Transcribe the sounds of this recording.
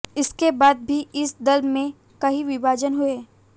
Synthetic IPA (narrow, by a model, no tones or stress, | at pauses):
ɪskebaːd̪̚bʱiʔɪsd̪ɐlmẽ | kɐɦiʋɪbʱaːd͡ʒənɦʊeː